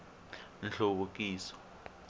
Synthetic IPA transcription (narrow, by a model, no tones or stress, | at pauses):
nɬoβok̬ʼiːsɔ̥